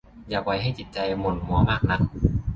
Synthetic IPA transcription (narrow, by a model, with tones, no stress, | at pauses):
jaː˨˩k̚wa˧jɦa˥˩jt͡ɕi˨˩t̪̚t͡ɕa˧jmo˧˩nmu˨˦ɐmaː˥˩k̚na˧˩k̚